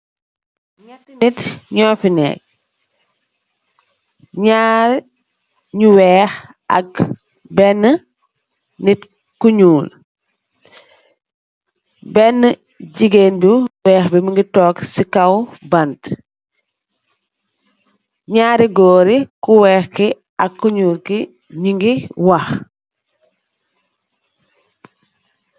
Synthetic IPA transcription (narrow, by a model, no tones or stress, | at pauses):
ɲatːinitɲɔːfinɛ̰ːk̚ | ɲaːɾ | ɲuwɛːx | ɐ̰k | bɛnːə | nit | kuɲuːl | bɛnːə | ɟiɡeːnbiwɛːxbimiŋɡitɔːksikawbɐnt | ɲaːɾiɡɔːɾikuwɛːxki | ɐkkːuɲuːlki | ɲuŋɡiwɐx